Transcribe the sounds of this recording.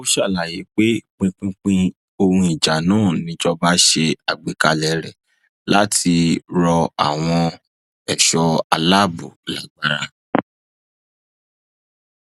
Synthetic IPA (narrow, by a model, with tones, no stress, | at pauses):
o˦ʃa˦˨la˨ji˨˦k͡pe˦k͡pĩ˧k͡pĩ˦k͡pĩ˦ | o˧hũ˧i˨d͡ʒa˨nãː˦˨nĩ˧˦d͡ʒɔ˦ba˦ʃe˧a˨ɡ͡bi˨ka˧lɛ˨ɾɛ˨ | la˦tʰi˧ɾɔ˧a̰˨w̃ɔ̃˧ | ɛ˨ʃɔ˧a˧la˦˨bu˨la̰˨ɡ͡ba˦ɾa˧